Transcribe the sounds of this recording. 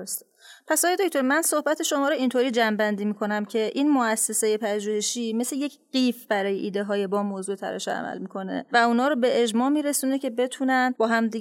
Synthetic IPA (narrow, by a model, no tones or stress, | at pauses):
s | pʰæsɒːjed̪ocʰt̪ʰoɾmænso̞hbæt̪ʰeʃo̞mɒːɾoint̪ʰoɾiːd͡ʒæmbænd̪iːmikʰo̞næmcʰe̞ʔiːnmoæsːesejepʰæʒuːheʃiːme̞sleje̞cɢiːfbæɾɒːjeʔiːd̪e̞ɦɒːjebɒːmoːzuːet̪ʰæ̰ɾɛ̰ʃɛæ̰mæ̰lmikʰo̞ne̞̰væunhɒːɾobe̞ed͡ʒmɒːmiːɾe̞suːne̞cʰe̞be̞t̪ʰuːnænbɒːɦæmd̪i